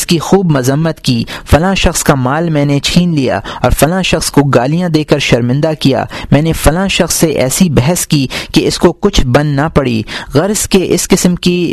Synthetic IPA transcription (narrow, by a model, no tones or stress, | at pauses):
skixuːbmʊzəmːət̪kiːfɐlãʃɐxskamaːlmɛ̃ːnet͡ʃʰiːnlija̰ːɔːɾfɐlãːʃɐxskoɡaːlijãd̪eːkəɾʃɐɾmɪ̃nd̪akija̰ːmɛ̃ːnefɐlãːʃɐxsːeʔɛ̰ːsibɛɦəskikeɪskokʊt͡ʃʰbɐ̃nd̪napɐɽḭːɣɐɾzkeʔɪskɪsəmki